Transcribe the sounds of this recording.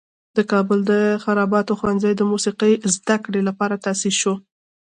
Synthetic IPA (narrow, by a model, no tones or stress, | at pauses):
d̪̥əkɑbʊld̪əxaɾɑbɑt̪oxwanzajd̪əmusiqəjzd̪akɽelapɑɾat̪asiʃo